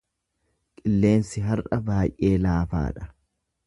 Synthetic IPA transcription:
kʼɪlːe̞ːnsɪɦɐrʔɐbaːjʔe̞ːlaːfa̰ːᶑɐ̥

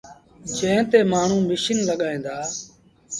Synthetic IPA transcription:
d͡ʒə̃ːt̪eːmaːɳ̤ũːmɪʃənləɠaːĩːnd̪aː

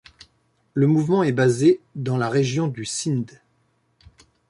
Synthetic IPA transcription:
ləmuvmɑ̃ɛbazed̪ɑ̃laʁeʒjɔ̃d̪ysind̪

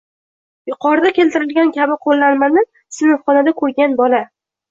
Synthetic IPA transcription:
jʊqʰɒɾd̪akʲʰe̞lt̪ɪɾɪlɡʲankʲʰabɪqʰolːanmanɪ | sɪnɪfχɒnad̪akʰɵɾɡʲanbɒla

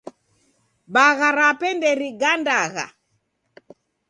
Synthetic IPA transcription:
baɣaɾapɛndɛɾiɡandaɣa̰

